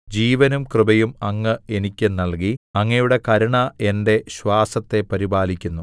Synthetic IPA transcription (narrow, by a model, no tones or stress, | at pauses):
d͡ʑiːʋɐnumkrɨbɐjumɐŋːɨe̞nikʲːɨnɐɭk̬iɐŋːɐjuɽe̞kɐɾɐɳɐe̞nde̞ɕwaːsɐt̪ːe̞pɐɾibaːlikʲːunːu